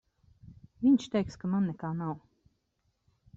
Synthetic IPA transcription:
viɲʲt͡ʃt̪ɛjkskamanːɛkaːnaw

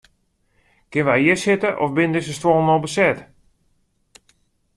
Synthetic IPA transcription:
kɪnʋɛjɪəsɪtəʔɔfbɪnədɪs̬əstwolˠnolˠbəsɛt

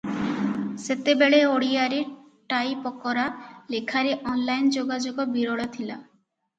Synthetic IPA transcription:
set̪ebeɭeoɽiaɾe | ʈajpɔkɔɾalekʰaɾeʔɔnlajnd͡ʒoɡad͡ʒoɡɔbiɾɔɭɔt̪ʰila

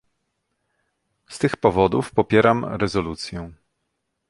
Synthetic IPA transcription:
st̪ɘxpɔvɔd̪ufpɔpʲjɛɾamɾɛzɔlut̪sʲjɛ̃

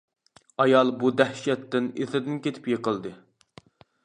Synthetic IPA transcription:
ɑjɑlˠbud̪ɛhʃɛt̪ːɪneθɪd̪ɪnkʲet̪ʰɪ̥pjeqəlˠd̪ɨ

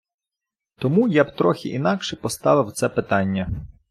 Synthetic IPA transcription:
t̪ɔmujabt̪ɾɔxʲɪ̰ʔinɑkʃɛpɔst̪ɑʋɪwt̪sɛpɪt̪ɑnʲːɐ

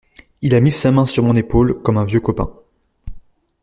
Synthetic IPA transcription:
ilamisamɛ̃syʁmɔ̃nepolkɔmɛ̃vjøkɔpɛ̰̃

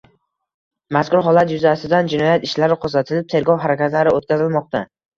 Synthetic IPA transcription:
maskʊɾɦɒlˠat̪jʊzasɪd̪and͡ʒɪnɒjat̪ɪʃlaɾɪqʰozat̪ʰɪlɪp̚t̪ʰe̞ɾɡɒwɦaɾakʲat̪laɾɪot̪̚kʲazɪlmɒq̚t̪ʰa

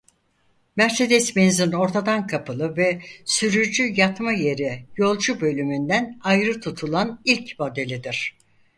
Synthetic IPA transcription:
mæɾse̞d̪ɛsmenzino̞ɾt̪ʰad̪ankʰapʰɯlˠɯvɛsyɾyd͡ʒyjat̪maje̞ɾijo̞lˠd͡ʒubø̞lʲymynd̪ænajɾɯt̪ʰut̪ʰulˠanilʲcmo̞d̪e̞lʲid̪iɾ̥

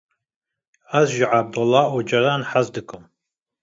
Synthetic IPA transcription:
azʒiʕab̚d̪ulːaʔud͡ʒaɾaːnħazd̪ɨkʼɨm

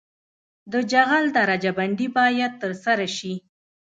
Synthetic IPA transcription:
d̪əd͡ʒaɣald̪aɾad͡ʒabaɳɖibɑjad̪̚t̪ːəɾsaɾaʃi

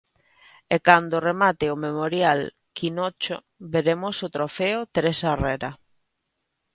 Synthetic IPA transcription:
ekand̪oremat̪ɪomemoɾjal | kʰinɔt͡ʃo̰ | beɾemʊsot̪ɾofeot̪eɾesarɛɾa

